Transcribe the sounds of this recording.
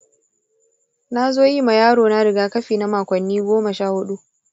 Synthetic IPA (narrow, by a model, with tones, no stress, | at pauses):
na˦zoː˦ji˦ma˨jaː˦ɽoː˨na˦ɽɪ˨ɡaː˦kɐ˦ɸiː˨na˦maː˨kʷɐ˨nːiː˦ɡʷoː˦mɐ˨ʃaː˦˨hʊ˦ɗu˦ʔ